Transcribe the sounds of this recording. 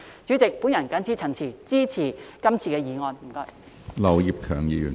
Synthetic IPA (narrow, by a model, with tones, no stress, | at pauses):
t͡syː˨˥t͡sɪ˨k̚puː˨˥njɐ˨˩nkɐ˨˥nt͡sʰiː˨˥t͡sʰɐ˨˩nt͡sʰiː˨˩t͡siː˥t͡sʰiː˨˩kɐ˥mt͡sʰiː˧kɛː˧jiː˨˧ŋɔː˧nm̩˨˩kɔː˧˥j | lɐ˨˩wji˨p̚kʰœː˨˩ŋjiː˧jy̰˨˩n